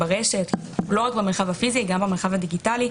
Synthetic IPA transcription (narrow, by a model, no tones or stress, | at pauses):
baʁeʃe̞t | lo̞ʁakbemeχavhafiziɡambamelχavadiɡitali